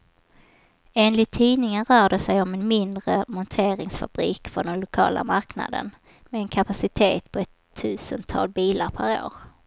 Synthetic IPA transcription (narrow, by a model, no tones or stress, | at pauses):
eːnlɪt̪ʰːiːnɪŋənɾœːɖəsɛjɔmɛnmɪnd̪ɾəmɔnt̪ʰeːɾɪŋsfa̰b̥ɾiːkfœɔd̪ɛnlʊkʰɑ̰ːla̰maɾkna̰d̪ə̰n | mɛɛnkʰapasɪt̪ʰeːt̪pʰɔɛt̪ʰːʉ̟ːsənt̪ʰɑ̰ːlbiːlaɾpʰæɾo̰ːɾ